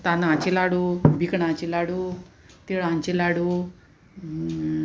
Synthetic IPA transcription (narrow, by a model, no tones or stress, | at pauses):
t̪anãt͡ɕilaɽubʱikɳãt͡ɕilaɽu | t̪eɭãɲt͡ɕilaɽu